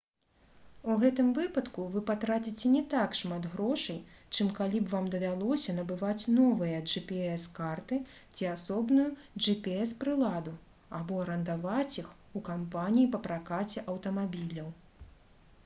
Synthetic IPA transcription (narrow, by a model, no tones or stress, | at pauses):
uɣɛt̪ɨmvɨpɐt̪kuvɨpat̪ɾat͡sʲit͡sʲɛnʲɛt̪akʂmat̪ɣɾɔʂɐjt͡ʂɨmkalʲibvamd̪ɐvʲalˠɔsʲɐnɐbɨvat͡sʲnɔvɨjɐʐɨpʲiɛskart̪ɨ | t͡sʲiasɔbnujuʐɨpʲiɛspɾɨlˠad̪u | abɔɐɾɐnd̪avat͡sʲix | ukampanʲijipɐpɾakat͡sʲɛʔɐwt̪ɐmabʲilʲɐw